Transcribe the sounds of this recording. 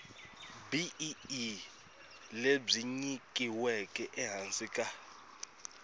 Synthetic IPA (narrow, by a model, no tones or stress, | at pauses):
bi | leb͡ʐiɲikʼiwɛkʼɛʔɛɦansʼikʼa